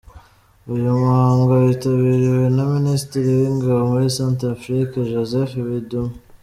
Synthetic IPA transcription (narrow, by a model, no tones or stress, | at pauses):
ujumuhaːŋɡoaβitaβiɾiwe̞naministiɾiwiŋɡaβmoisaːntɾafɾikaʒozefeβidum